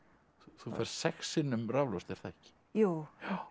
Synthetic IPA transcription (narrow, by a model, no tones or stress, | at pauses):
uθufɛr̥st̪sɛxsɪnʏmravlɔst̪ɛɾ̥θaɛhcɪ̥ | juw